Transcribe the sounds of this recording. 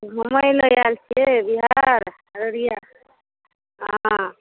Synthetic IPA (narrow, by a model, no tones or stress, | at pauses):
məməjləjalt͡ʃʰɛbiɦaɾ | ɾəɾija | ɦa